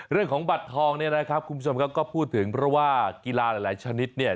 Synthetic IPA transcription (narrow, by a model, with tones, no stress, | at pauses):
ɾɯ˥˩əŋkʰɔː˩˦ŋba˨˩t̪ʰːɔː˧ŋni˥˩ɐna˦˥kʰa˦˥p̚kʰu˧mbu˥˩o˧mkʰa˦˥kɔː˥˩pʰuː˥˩t̪ʰːɯ˩˦ŋpʰɾɔ˦˥waː˥˩ki˧laː˧laː˨˩˦jlaː˨˩˦jt͡ɕʰa˧ni˦˥t̪̚ni˥˩ɐ